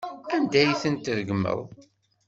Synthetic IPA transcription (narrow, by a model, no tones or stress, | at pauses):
ænd̪æjθənt̪ðəɡmːə̰ðˤ